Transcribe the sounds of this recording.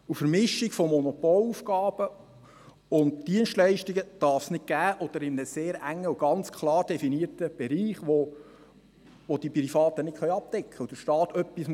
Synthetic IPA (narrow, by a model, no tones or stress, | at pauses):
ufəɾmɪʃːiɡfɔmɔnɔpɔlufɡɑːb̥ə | ʊndd̥iənstlɛɪʃtiɡəd̪̥ɑɾfsnɪt̚ɡ̥æːʔɔd̥̪əɾɪmənəseːɾæŋːəuɡ̥ɑnt͡skʰlɑːɾd̥ɛfiniəɾtəb̥ɛɾiːχʋo | ʋod̪ipɾifɑːt̪ənɪtχœjɑp̚t̪ɛkʰχəud̥əɾʃtɑːt̪œpːism